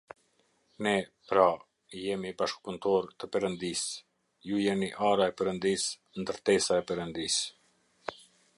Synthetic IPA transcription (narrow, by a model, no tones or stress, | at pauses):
nɛpɾa | ijɛmibaʃk̚punt̪ɔɾt̪əpɛɾənd̪is | jujɛmiʔaɾaɛpɛɾənd̪is | nd̪əɾt̪ɛsaɛpɛɾənd̪is